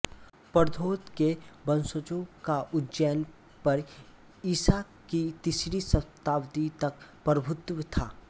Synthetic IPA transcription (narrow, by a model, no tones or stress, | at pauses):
pəɾd̪ʱoːt̪kebə̃nsət͡ʃõkaʔʊdd͡ʒɛːn | pɐɾ | iːsa | kit̪isɾisɐt̪aːwd̪it̪ɐk̚pɾbʱʊt̪ʋt̪ʰa̰ː